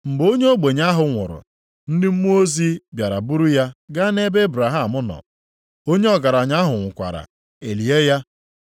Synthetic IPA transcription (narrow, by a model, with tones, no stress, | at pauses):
m̩˨bo˦ɲe˦o˦ɡ͡be˨ɲa˦ɦʊ˨ŋʷʊ̰˨ɾʊ̰˨ | n̩˦dɪ˦m̩˦mu˦o˦zi˦bja˨ɾa˨bu˦ɾu˦ja˦ɡa˦ne˦be˦bɾa˨ɦa˦˨mʊ˦nɔ̰˨ | o˦ɲe˦ɔ˨ɡa˨ɾa˨ɲa˦ɦʊ˨ŋʷʊ˨kʷa̰˨ɾa̰˨ | e˨li˨e˦ja˦